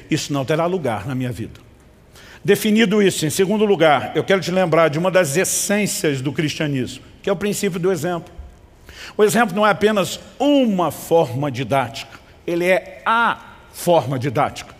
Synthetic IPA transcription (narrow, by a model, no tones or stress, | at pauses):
isʊnɐ̃w̃t̪eɾaluɡa̰ɾnɐmĩɲɐvḭd̪ɐ̥ | d̪efinid̪ʊisʊẽj̃seɡũnd̪ʊluɡaɾewkɛɾʊt͡ʃɪlẽmbɾaɾd͡ʒɪũmɐd̪ɐzesẽsiɐzd̪ʊkɾiʃt͡ʃiɐnizmʊkɪɛʊpɾĩsip̬jʊd̪ʊezẽmplʊ | ʊezẽmp̬lʊnɐ̃w̃ɛapẽnɐzũmɐfɔɾmɐd͡ʒid̪at͡ʃi̥kɐ̥ | elɪɛɐ | fɔɾmɐd͡ʒid̪at͡ʃi̥kɐ̥